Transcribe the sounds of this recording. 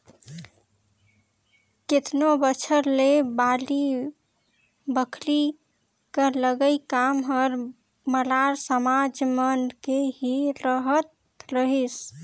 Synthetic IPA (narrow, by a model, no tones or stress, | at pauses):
ket̪nobət͡ʃʰəɾlebali | bəkʰli | kələɡəjkamɦəɾ | məlaɾsəmad͡ʒmənkeɦiɾəɦət̪ | ɾəɦis